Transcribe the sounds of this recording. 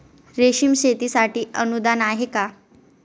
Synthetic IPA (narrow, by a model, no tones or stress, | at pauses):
ɾeɕiːmɕet̪iːsaʈiːənud̪anaɦeka